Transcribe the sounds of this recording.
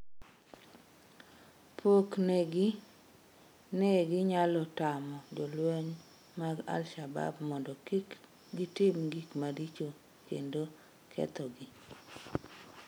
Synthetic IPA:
pʰoknɛɡɪ | nɛɡɪɲalɔtamɔd͡ʒɔlwɛɲ | maɡa̰lʃaba̰bmɔndɔkik | ɡɪtɪmɡikmadit͡ʃo | kḛndo | kʰɛ̰t̪ɔɡɪ

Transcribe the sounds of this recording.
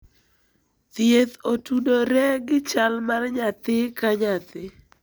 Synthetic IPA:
t̪jet̪otudoɾɛɡɪt͡ʃalmarɲat̪ɪkaɲat̪ɪ

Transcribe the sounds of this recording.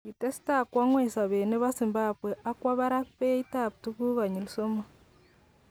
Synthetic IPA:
itesi̥takwaŋwesaβeːneβazimbabweʔakwaβaɾakpeitaputukuɣaɲilisoma

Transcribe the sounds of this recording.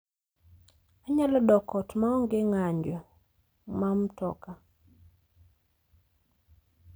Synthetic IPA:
aɲalɔdɔkɔtmaɔŋɡeŋaɲd͡ʒɔ | mamtɔ̰ka

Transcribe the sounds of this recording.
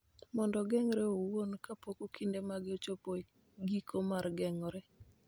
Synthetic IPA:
mɔndɔɡɛŋɾɛowonkapokokʰindemaɡɪot͡ʃopo | ɡikʰomaɾɡɛŋɔɾɛ

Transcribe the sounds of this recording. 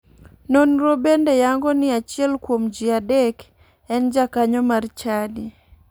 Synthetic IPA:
nonɾobendejaŋɡɔnɪat͡ʃɪɛlkwomd͡ʒiadɛk | ɛnd͡ʒakaɲɔmart͡ʃadi

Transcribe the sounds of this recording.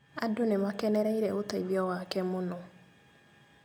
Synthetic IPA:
adʊnemakɛnɛɾɛiɾɛotaibiɔwakɛmʊnɔ

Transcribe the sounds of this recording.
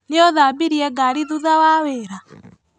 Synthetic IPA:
neoðabiɾiɛɡaɾiðuðawaweːɾa

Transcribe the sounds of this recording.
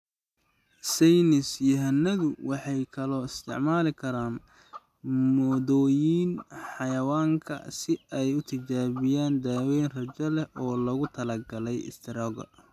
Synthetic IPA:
sɛjnɪsjʊɦɐnːɐðʊwɑħɑjkʰɐlɔːɪst̪ʰɪ̰ʕmaːlɪkʰɐɾaːn | mɔːðɔːjiːnħɑjɐwaːŋkʰɐ̰sɪɛjʊt̪ʰɪt͡ʃaːβɪjaːnd̪aːwɛːnrɐt͡ʃɐlɛhʔɔːlɐɣʊt̪ʰɐlɐɡɐlɛjɪ̰st̪ʰɪɾɔːɡɐ̰

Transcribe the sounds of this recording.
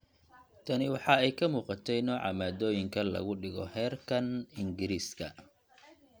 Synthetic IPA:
t̪ʰɐnɪwɑħɑɛjkʰɐmuːqɑt̪ʰɛjnɔːʕɑ̰maːd̪ɔːjɪŋkʰɐlɐ̰ɣʊɖɪɣɔ̰hɛːrkʰɐnɪŋɡɪɾiːskʰɐ̰

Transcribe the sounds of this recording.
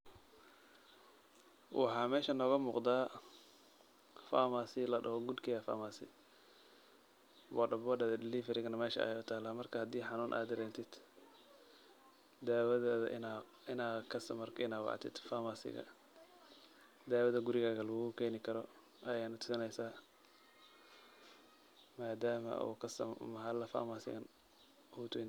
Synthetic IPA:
wɑ̰ħɑːmɛːʃɐnɔːɣɐmuːqd̪aː | famaːsɪlɐɖɐ̰hɔɡud̪kʰɛɐfa̰ːmaːsɪ̰ | wɔɖɐbɔːdɐðɐd̪ɪlifɛɾɪɣɐnɐmɛːʃɐ̰ɛ̰jʊt̪ʰaːlaːmɐrkʰɐhɐd̪iːħɑnuːnʔa̰ːd̪ɪɾɛːnt̪ʰɪd̪̥ | d̪aːwɐðɛðɐ̰ʔn | ɪnaːkʰɐsɐmɐrkʰɪnaːwɑ̰ʕ̰t̪ʰɪ̰d̪faːmaːsɪ̰ɣɐ̰ | d̪aːwɐðɐɡʊɾɪɣaːɣɐlɐɣɣʊkʰɛːnɪkʰɐɾɔ | ʔɐjɛːnɐt̪ʰʊ̥sɪnɛjsaː | maːd̪aːmɐ̰ṵːkʰɐsɐ̰mɐɦɐlɐfa̰ːmasɪ̰ɣɐn | huːt̪ʰʊɪn

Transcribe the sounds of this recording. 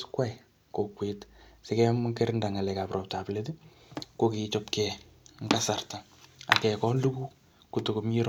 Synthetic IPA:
skwaj | kokwetsɪkɛmkeɾɪndaŋalɛkaprʔɔp̚taplet̬i | kokit͡ʃɔpkɛŋasarta | a̰kɛkɔnluku | kutokomiɾ

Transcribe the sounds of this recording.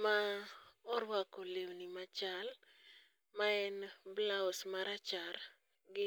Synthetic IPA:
ma | ɔɾwakɔlewnimat͡ʃal | maɛnblaɔsmaɾat͡ʃaɾ | ɡɪ

